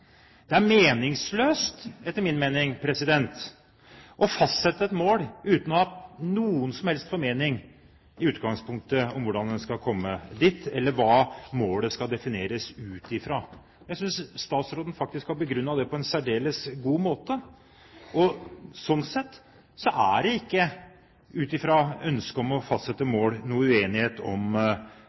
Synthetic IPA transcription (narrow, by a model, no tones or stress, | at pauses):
d̪ɛæɾmeːnɪŋsløːst̪ɛt̪ːəɾmɪnmeːnɪŋpʰɾɛsɪd̪ɛnt̪ | ʔɔfɑst̪sɛt̪ːəɛt̪moːlʉːt̪nɔhɑnuːənsɔmhɛlst̪foːɾmeːnɪŋ | ɪʉːt̪ɡɑŋspʊŋk̚t̪əɔmʋʊɖɑnd̪ɛnskɑlkʰɔmːəd̪iːt̪ːɛlːəɾʋɑːmoːləskɑld̪ɛfɪneːɾəsʉːt̪ɪfɾɑː | jæɪsʏnsst̪ɑːt̪sɾoːd̪n̩fɑk̚t̪ɪskɑbəɡɾʉnːɑʋd̪ɛpʰɔɛnsæɖeːləsɡuːmoːt̪ə | ɔsɔnːsɛt̪ː | sɔʔæɖɛɪkːə | ʉːt̪ɪfɾɑœnskəɔmɔfɑst̪sɛt̪ːəmoːlnuːəʉeːnɪheːt̪ɔm